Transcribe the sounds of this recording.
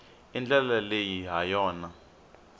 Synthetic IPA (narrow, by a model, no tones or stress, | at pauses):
ind͡ɮɛlalejiɦajɔːna